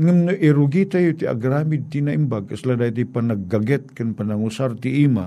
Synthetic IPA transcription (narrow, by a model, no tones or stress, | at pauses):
ŋamnʊʔʔiɾʊɡit̪ajut̪ia̰ɡɾamɪd̪̚t̪inaʔimbaɡ̚kasladait̪̬ipanaɡ̚ːaɡɛt̪̚kɨnpanaŋusart̪iʔima̰